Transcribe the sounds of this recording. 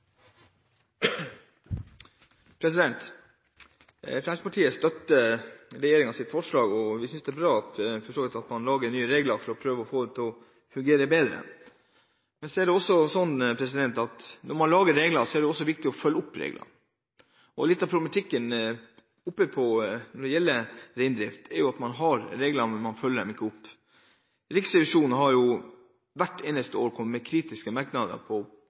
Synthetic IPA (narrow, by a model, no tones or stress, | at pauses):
pʰɾɛs̬ɪd̪ɛnt̪ | fɾɑnspʰɑʈʰiːəst̪œt̪ːəɾɛjeːɾɪŋɑsɪt̪fɔʂɭɑːɡɔʋɪsʏnsd̪ɛæbɾɑːɑt̪fɔʂʈoːɡlɪt̪ɑt̪mɑnlɑːɡəɳyːəɾeːɡlɑɾfɔɾɔpʰɾøːʋəɔfoːd̪ɛt̪ʰɔ | fʉŋɡeːɾəbeːd̪ɾə̰ | mɛnsɔɛɖɛɔsːɔsɔnːpʰɾɛsɪd̪ɛnt̪ɑt̪nʔɔɾmɑnlɑːɡəɾɾeːɡlɑsɔæɖɛɔsːɔʋɪk̚t̪ɪɔfœlːəʊpːɾḛːɡlʔɑ̰ | ɔlɪt̪ːɑpʰɾʊb̪əmɑt̪ʰɪkːən | ʊpːəpʰɔnɔɖɛjɛlːəɾɛɪnd̪ɾɪft̪ʰɛɾjʊɑt̪mɑnɦɑɾɾeːɡlɑmɛnmɑnfœlːəɖɛmɪkːəʊpː | ɾɪksɪʋɪʂuːn̩ɦɑɾjʊ | ʋæʈːeːnəst̪əoːɾkʰɔməmɛkʰɾiːt̪ɪskəmɑɾknɑd̪ə̰pʰɔ